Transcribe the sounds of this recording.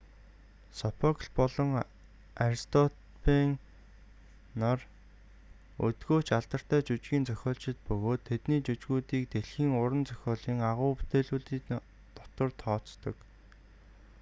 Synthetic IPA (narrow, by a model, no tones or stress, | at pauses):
sɔpʰɔkɮpɔɮɞ̆ŋ | aɾst̪ʰɔt̪ | pʰiŋ | nɔr | ɵt̪ɡoːt͡ɕaɮt̪ə̆r̥t̪æːt͡ɕut͡ɕɣiːnt͡sœxʲɔːɮt͡ɕɪ̆t̪̚pɵɣoːt̪ʰːet̪niːt͡ɕut͡ɕɣuːt̪iːk̚t̪eɮxiːŋʊɾə̆nt͡sœ̥xʲɔːɮiːŋaʁʊːput̪eːɮuːɮiːk | t̪ɔt̪ə̆rt̪ʰɔːt͡st̪ɞ̆k